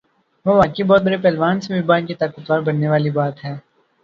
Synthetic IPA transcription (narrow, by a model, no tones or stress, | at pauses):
ʋoʋaːkebɔːt̪̚bɐɾepɛːlʋaːnsebibaːnkit̪aːkət̪ʋaːɾbɐɽnːeʋaːlibaːt̪ɦɛː